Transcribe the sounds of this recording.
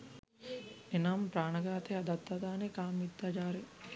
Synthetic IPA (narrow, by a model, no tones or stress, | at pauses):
enampɾaːnɐɡaːt̪ead̪ɐt̪ːad̪aːnekaːmːit̪ːad͡ʒaːɾe